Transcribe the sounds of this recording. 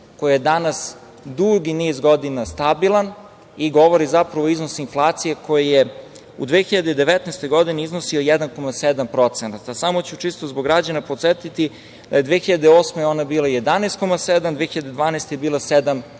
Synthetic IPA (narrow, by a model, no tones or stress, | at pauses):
ko̞jijed̪anas | d̪uɡiniːzɡo̞d̪inast̪abilˠan | iɡo̞ʋoɾizapɾaʋoiznosinflˠaːt̪sije̞ko̞jije | ṵd̪ʋeːxiʎad̪eid̪e̞ʋet̪nɛst̪o̞jɡo̞d̪ineiznosio̞jɛd̪anko̞mased̪ampɾo̞t̪senat̪asamot͡ɕut͡ʃist̪ozboɡɾad͡ʑanapot̪set̪it̪i | d̪ajed̪ʋeːxiʎad̪eoːsmeo̞nabiːlˠaje̞d̪aneːst̪̚ko̞mased̪amd̪veːxiʎad̪ed̪ʋaːnɛst̪ejebiːlˠased̪am